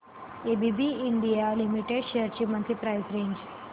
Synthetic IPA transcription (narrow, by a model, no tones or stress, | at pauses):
ebibiiɳɖijalimiʈeɖɕeəɾt͡ɕimənt̪ʰɾipɾajsɾeɲd͡ʑ